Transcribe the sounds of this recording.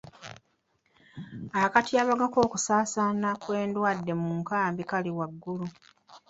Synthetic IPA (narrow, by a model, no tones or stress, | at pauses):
akatiaːβaɡako̞ːku̥saːsaːnakwe̞ːndwaːdːe̞muŋkaːmbikaliwaɡːulu